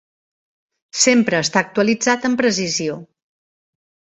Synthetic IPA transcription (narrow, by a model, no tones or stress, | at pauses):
sempɾəːst̪aːk̚t̪uəlid͡zat̪əmpɾəs̬izio